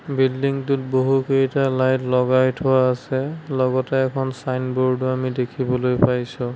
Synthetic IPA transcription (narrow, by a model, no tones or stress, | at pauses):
bildiŋtut̚boɦukeitalajtlɔɡajtʰɔwaːsɛlɔɡɔtɛːkʰɔnsajnbɔɹduamidekʰibɔlojpajsũ